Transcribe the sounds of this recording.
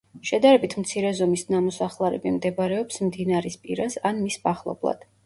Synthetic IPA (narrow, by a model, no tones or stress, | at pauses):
ʃɛd̪aɾɛbit̪ʰmt̪sʰiɾɛzɔmisnamɔsaχlˠaɾɛ̰bimd̪ɛbɾɛɔpsmd̪inaɾispʼiɾasanmisbaχlˠɔ̰blˠa̰d̪̥